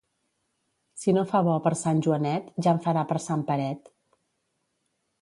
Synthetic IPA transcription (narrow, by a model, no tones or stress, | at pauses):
sinofaβɔpəɾsanʲʒuənɛt̪ʒaɱfəɾapəɾsampəɾɛt̪